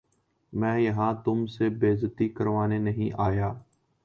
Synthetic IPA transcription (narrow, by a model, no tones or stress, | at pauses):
mɛ̃ːjɐɦãːt̪ʊmsebeːzət̪iːkəɾʋaːneːnəɦĩːʔaːjaː